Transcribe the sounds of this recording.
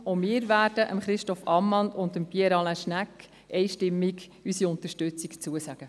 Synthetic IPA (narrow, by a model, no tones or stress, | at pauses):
omɪːɾvæːd̥əʔə̰mχɾɪʃtɔfɑmːɑnʊndəmpiɛɾɑlaʃnæk | ʔɛjʃtɪmːiɡ | ysiʊnt̪ərʃtʉt͡sikt͡suəsæɡ̥ə